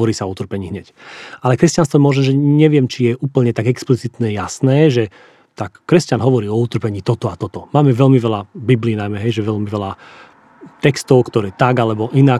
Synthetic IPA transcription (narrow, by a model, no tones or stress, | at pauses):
ɔɾiːsaɔut̪r̩pɛɲiːɦɲɛcʔalɛkɾɛscanst̪ʋɔmʊɔʒɛmʒɛɲɛʋɪɛmt͡ʃijɛʔuːpl̩ɲɛt̪aɡɛksplit͡sit̪nɛjasnɛːʒɛ | t̪akːɾɛscanɦɔʋɔɾiːɔut̪r̩pɛɲiːt̪ɔt̪ɔat̪ɔt̪ɔmaːmɛʋɛlmiʋɛlabibliːnajmɛɦɛjʒɛʋɛʎmiʋɛla | t̪ɛkst̪ɔʊkt̪ɔɾɛːt̪aɡalɛbɔʔina